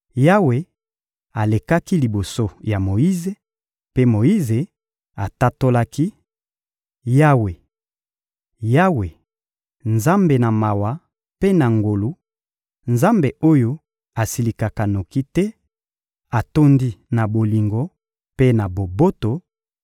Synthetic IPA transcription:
ja˦we˨ | a˨le˨ka˦ki˦li˨bo˨so˦ja˨mo˨ji˦ze˨ | pe˦mo˨i˦ze˨ | a˨ta˦to˦la˦ki˦ | ja˦we˨ | ja˦we˨ | nza˦mbe˨na˨ma˨wa˨ | pe˦na˨ŋɡo˨lu˦ | nza˦mbe˨ʔo˦jo˦ | a˨si˨li˨ka˨ka˨no˨ki˦tɛ˦ | a˨to˦ndi˦na˨bo˨li˨ŋɡo˦ | pe˦na˨bo˨bo˦to˨

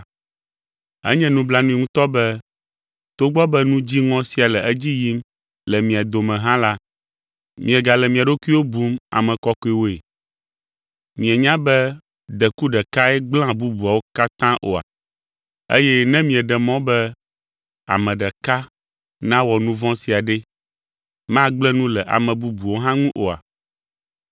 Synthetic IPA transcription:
ɛ̰˦ɲɛ̃˦nũ˦bla˦nũ˦i˨ŋũ˦t̪ɔ˦bɛ˦ | t̪o˦ɡ͡bɔ˦bɛ˦nũ˦d͡ʑi˦ŋɔ̃˦si˦a˨lɛ˨ɛ˦d͡ʑi˦ji˦m | lɛ˨mĩ˨a˨d̪o˨mɛ̃˨ɦã˦la˦ | mĩ˨ɛ˨ɡa˨lɛ˨mĩ˨a˨ɖo˦ku˦i˦wo˦bu˦ma̰˨mɛ̃˨kɔ˦ko˦e˨wo˦e˨ | mĩ˨ɛ˨ɲã˦bɛ˦ | d̪ɛ˨ku˦ɖɛ˨ka˦ɛ˦ɡ͡blã˦bu˦bu˨a˨wo˦ka˦t̪ã˦ʔo˨a̰˨ | ḛ˦jɛ˦nɛ̃˦mĩ˨ɛ˨ɖɛ˨mɔ̃˦bɛ˦ | a̰˨mɛ̃˨ɖɛ˨ka˦ | nã˦wɔ˨nũ˦vɔ̃˦si˨a˨ɖɛ˦ | mã˦ɡ͡blɛ˦nũ˦lɛ˨ʔa̰˨mɛ̃˨bu˦bu˨wo˦ɦã˦ŋũ˦ʔo˨a̰˨

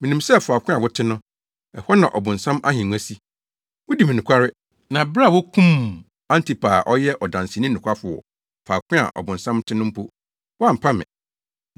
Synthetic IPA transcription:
mĩ˨nĩ˨msɛ˦˨fʊ˨a˨kʷʰʊ̃˦a˨wʊ˦tʰɪ˦nʊ̃˦ | ɛ˨hɔ˦nã̰˨ʔɔ˨bʊ̃˨n̩˨sã˦mʔa˦ɦĩ˨˦æ˦si˦ | wʊ˦di˨mĩ˨nʊ̃˨kʷʰa˦ɾɪ˦ | nã˨bɾwɔ˦kʰũ˦m | ã˦ntʰi˨pʰa˨ʔɔ˦jɛ˦ʔɔ˨dã˨nsɪ˨nĩ˦nʊ̃˨kʷʰa˦fʊ˨ɔ̰˨ | fa˨kʰʷɪ̃˦a̰˨ʔɔ̰˨bʊ̃˨n˨sã˦m˦tʰɪ˦nʊ̃˦m̩˦pʰo˦ | wɔ˦a˦m̩˨pʰa˦mɪ̰̃˨

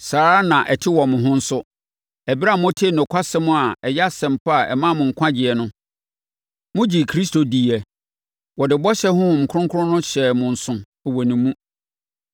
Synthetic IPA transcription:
saː˨ɾa˦nã˨ʔɛ˨tʰɪ˦wɔ˨mʊ̃˨ɦʊ̃˦n̩˦sʊ˦ | æ˨bi˦a˨mʊ̃˦tʰe˦˨nʊ̃˨kʷʰa˦sɛ˦mʊ̃˦a˨ɛ˨jɛ˦a˦sɛ̃˨m̩˨pʰa˦˨ʔɛ̰˨mã˦˨mʊ̃˨ŋ̩˨kʷʰã˦d͡ʑɪ˨ɛ˨nʊ̃˦ | mʊ̃˦d͡ʑi˨kʰɾi˦sto˨di˨ɛ˨ | wɔ˨dɪ˨bɔ˦ɕɛ˦hʊ̃˦˨ŋ̩˨kʰʊ̃˦ŋkʰʊ˦ʊ̃˦nʊ̃˦ɕɛ˨mʊ̃˨n̩˨sʊ̃˨ | ɔ˨wɔ˨nĩ˨mũ˦

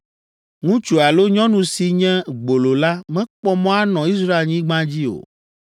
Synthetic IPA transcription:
ŋũ˦t͡ʃu˨a˨lo˦ɲɔ̃˦nũ˨si˨ɲɛ̃˦ɡ͡bo˨lo˨la˦mɛ̃˦k͡pɔ˦mɔ̃˦a˦nɔ̃˨i˦s̬ɾa˦e˨lɲĩ˦ɡ͡bã˦d͡ʑi˦o̰˨

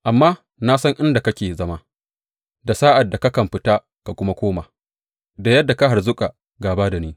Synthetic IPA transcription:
ʔa˨mːaː˦ | naː˦sɐ˦ŋʔɪ˦nda˨kɐ˦kʲeː˨zɐ˦ma˦ | da˨saː˦ʔa˨dːa˨ka˦kɐ˨mɸɪ˦taː˦ | ka˨kʷʊ˦ma˦kʷoː˦maː˨ | da˨jɐ˦dːa˨ka˦ɦa˨rzʊ˦kʼa˨ | ɡaː˨baː˦da˨neː˦

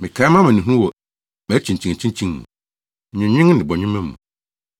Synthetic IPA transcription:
mɪ̃˨kʰa˨˦mã˦mã˨nĩ˨ɦũ˦wɔ˨ | mɛ˨˦t͡ɕʰĩ˨ɲ̩˨t͡ɕʰĩ˨t͡ɕʰĩ˦t͡ɕʰĩ˦ŋmṵ̃˨ | ɲɪ̃˨ɲɪ̃˦ŋ˦nɪ̃˨bɔ˨ɲᶣɪ̃˦mɛ̃˦m˦mũ˨

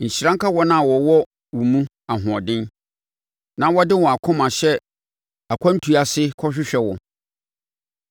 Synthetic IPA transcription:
ɲ̩˨ɕi˨ɾã˦ŋ˦ka˦wɔ˦nã˦˨wɔ˨wɔ˦ | wʊ˨mũ˦ | a˨ɦʊ̃˨ɔ˨dɪ̃˦n | nã˦wɔ˦dɪ˦wɔ̃˨a˨kʰɔ̃˦mã˨ɕɛ˦ | a˨kʷʰã˦n˦tʰu˨a˨sɪ˦kʰɔ˦ɕᶣɪ˦ɕᶣɛ˨wɔ̃˨

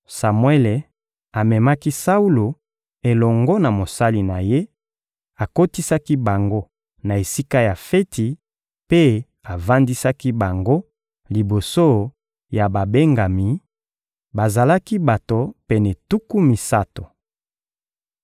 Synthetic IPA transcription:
sa˨mwɛ˦le˨ | a˨mɛ˨ma˦ki˦sa˦u˦lo˨ | e˨lɔ˨ŋɡɔ˦na˨mo˨sa˦li˨na˨je˦ | a˨ko˦ti˦sa˦ki˦ba˨ŋɡo˦ | na˨e˨si˦ka˦ja˨fe˦tʰi˨ | pe˦ | a˨va˦ndi˦sa˦ki˦ba˨ŋɡo˦ | li˨bo˨so˦ | ja˨ba˨be˦ŋɡa˨mi˨ | ba˨za˨la˦ki˦ba˨to˨pɛ˨nɛ˨tu˦ku˦mi˨sa˦to˨

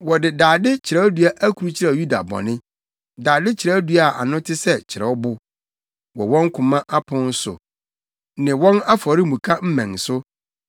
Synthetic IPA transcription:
wɔ˨dɪ˨daː˨dɪ˦t͡ɕʰɪ˨ɾɛ˨˦du˨a˦ʔæ˦kʰu˨ɾu˦t͡ɕʰɪ˦ɾɛ˨ju˦da̰˨bɔ̰̃˨nɪ̃˦ | daː˨dɪ˦t͡ɕʰɪ˨ɾɛ˦du˦a˨a̰˨nʊ̃˦tʰɪ˦sɛ˦t͡ɕʰɪ˨ɾɛ̰˨ɔ˦bʊ˦ | wɔ̰˨wɔ̃˦ŋ˦kʰʊ̃˨mã˦ʔa˦pʰʊ̃˦n̩˦sʊ̰˨ | nɪ̃˨wɔ̃˦na˦fɔ˨ɾɪ˦mũ˨kʰa˦m̩˦mɛ̃˨ŋsʊ˦

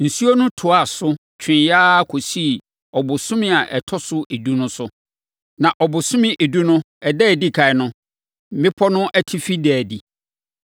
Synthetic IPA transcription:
n̩˨su˦o˦nʊ̃˦tʰʊ˨a˨sʊ˦ | t͡ɕʰᶣɪ̃˨jaː˦kʰo˨si˦˨ | ɔ˨bʊ˨sʊ̃˦mɪ̃˦a˨ʔɛ˨tʰɔ˦sʊ˦ʔe˨du˦nʊ̃˦sʊ˦ | nã˨ʔɔ˨bʊ˨sʊ̃˦mɪ̃˦˨ʔe˨du˦nʊ̃˦ | ɛ˨dɛ˦˨di˦kʰa˨ɛ˨nʊ̃˦ | mɪ̃˦pʰɔ˦nʊ̃˦ʔɛ˦tʰɪ˦fi˦dɛ˨di˨

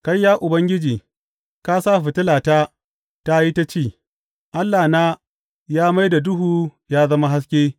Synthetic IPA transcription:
ka˦jːaː˦ʔʊ˨bɐ˦ŋɡʲɪ˦d͡ʒiː˨ | ka˦saː˦ɸɪ˨tɪ˦laː˨taː˦ | ta˦ji˦ta˦t͡ʃeː˦˨ | ʔa˦lːaː˨naː˦ | jaː˦ma˦jda˨dʊ˦ɦuː˦˨jaː˦zɐ˦ma˦ɦa˦s̬kʲeː˦

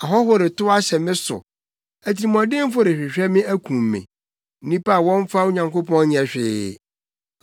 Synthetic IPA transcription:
a˨ɦɔ˦hʊ˦ɾɪ˨tʊ˦a˦ɕɛ˨mɪ̃˦sʊ̰˨ | æ˨tʰi˨mɔ̃˨dɪ̃˦m˦fʊ˦ɾɪ˨ɕᶣɪ˨ɕᶣɛ˦mɪ̃˦æ˦kʰũ˨mːɪ̰̃˨ | n̩˦nĩ˦pa˦˨wɔ̃˦ɱ˦fa˦o˦ɲã˨ŋko˦pʰɔ̃˦n˦ɲɛ̃˨ɕᶣɪː˦˨

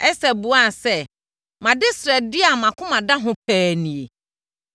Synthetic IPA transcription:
ɛ˦sɛ˨bu˨a˦˨sɛ˦ | mã˨dɪ˦sɾɛ˨dɪ˦a˨mã˨kʰʊ̃˦mã˨dã˦ɦʊ̃˦p̚ʰæː˦nĩ˨e˨

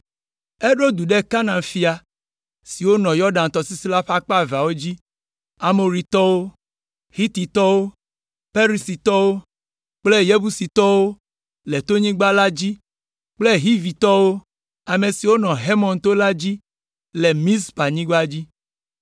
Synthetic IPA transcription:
e˦ɖo˦d̪u˨ɖe˦ka˦nã˨ŋfi˨˦a˨ | si˨wo˦nɔ̃˨jɔ˦ɖã˨n˨t̪ɔ˨si˦si˦la˦ɸa˦k͡pa˦˨va˨wo˦d͡ʑi˦ | a˨mo˨ɾi˨t̪ɔ˦wo˦ | hi˦t̪i˨t̪ɔ˦wo˦ | pe˦ɾi˨si˨t̪ɔ˦wo˦ | k͡ple˦je˦bu˦si˨t̪ɔ˦wo˦ | le˨t̪o˦ɲĩ˦ɡ͡ba˦la˦d͡ʑi˦ | k͡ple˦ɦi˦vi˨t̪ɔ˦wo˦ | a˨me˨si˨wo˦nɔ̃˨ɦe˦mɔ̃˨nt̪o˦la˦d͡ʑi˦ | le˨mĩ˦spa˨ɲĩ˦ɡ͡ba˦d͡ʑi˦

